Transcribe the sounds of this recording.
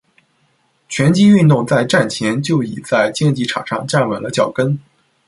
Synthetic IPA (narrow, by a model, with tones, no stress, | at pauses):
t͡ɕʰɥɛ˧˥nt͡ɕi˥y˥˧nt̪ʊ˥˧ŋt͡sa˥˧ɪʈ͡ʂa˥˩nt͡ɕʰjɛ˧˥nt͡ɕjo˥˩ʊḭ˨˩t͡sa˥˧ɪt͡ɕjɛ˥˧nt͡ɕi˥˩ʈ͡ʂʰɑ̰˨˩ŋʂɑ˥˧ŋʈ͡ʂa˥˩nwə˨˩nlə˧t͡ɕjɑ˥˩ʊkə˥n